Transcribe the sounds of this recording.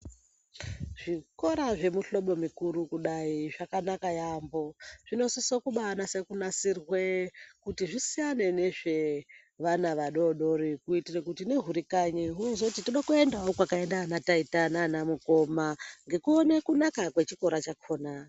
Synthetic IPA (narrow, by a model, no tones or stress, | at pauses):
ʐ̥iko̞ɾaʐe̞muɬo̞ɓo̞mikuɾukuɗaiʐakanakajambo̞ʐ̥ino̞sisokuɓaanase̞kunasirwekutiʐisijane̞ne̞ʐe̞ | ʋanaʋaɗo̞ɗo̞rikuitirekutine̞ɦuɾikaɲiɦunozotitiɗokue̞ndaokwakae̞ndanataitananamuko̞maŋɡe̞kuone̞kunakakwe̞t͡ʃiko̞ɾat͡ʃakʰo̞ːna